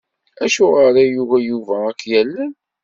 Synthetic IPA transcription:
æʃʊʁəɾæjuvæjuvæækːjælːæn

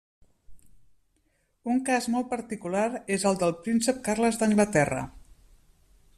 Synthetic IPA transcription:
uŋkazmɔlˠt̪pəɾt̪ikulaɾezəlˠd̪əlˠpɾinsəp̚karləzðəŋɡlət̪ɛrə̰

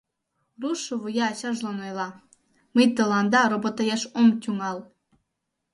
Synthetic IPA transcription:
ruʃːɤ̆vujɑɕɑʒlˠonojlˠɑ | mɨjt̪ɤ̆lˠɑnd̪ɑɾobot̪ɑjeʃomt̪ʲuŋɑlˠ

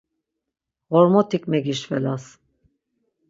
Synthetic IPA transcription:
ɣɔɾmɔt̪ʰikʼmɛɡiʃvɛlas

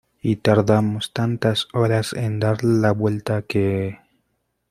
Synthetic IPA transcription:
it̪aɾðamost̪ant̪asoɾasḛnd̪aɾlaβwe̞lt̪akee

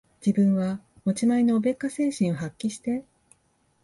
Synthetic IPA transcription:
d͡ʑibɯ̟̃ɰ̃βa | mo̞t͡ɕimaino̞ːbe̞kːase̞ːɕĩɰ̃o̞hakʲːiɕi̥t̪e̞

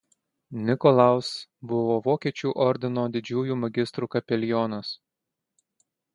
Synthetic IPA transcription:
nʲɪkɔlˠɐˑʊsbʊʋoːʋoːkʲiɛt͡ʃʲuːˑʔɔɾʲd̪ʲɪnoːd̪ʲɪd͡ʒʲuːjuːmɐɡʲɪst̪ɾuːkɐpʲɛlʲɪjɔːnɐs

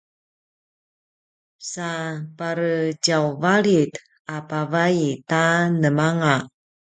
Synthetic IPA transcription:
sapaɾəd͡ʒawvalit | apavaitanəmaŋa

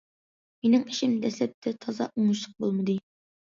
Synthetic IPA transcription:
menɪŋiʃɪmd̪ɛslɛp̚t̪ʰɛt̪ʰɑzɑ̰ʔuŋʊʃlˠəq̚bolˠmɨd̪ɨ

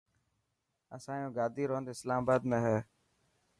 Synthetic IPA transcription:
əsãːjõːɡaːd̪ʱiːɾoːnd̪ːɪslaːmabaːd̪mẽːɦɛː

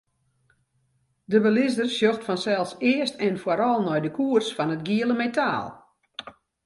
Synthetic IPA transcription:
dəbəlɪsdərsjoxtfɔnsɛlˠsɪəstɛnfwaɾɔlˠnɔjdəkʰuərsfɔnətɡiələmeta̰ːlˠ

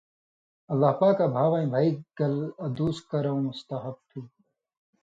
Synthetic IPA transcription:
ɐlːaːɦpaːkːabʱaːʋãːĩːbʱaːiɡɐlɐd̪uːskɐɾaũɪst̪aɦɐb̚t̪ʰũː

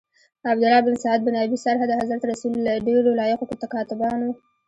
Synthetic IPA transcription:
abd̪ʊlɑbɪnsɑad̪̚bɪnɑbisaɾɦad̪əɦazɾat̪ɾasullaɖeɽolɑjaqokot̪akɑt̪ɪbɑnwu

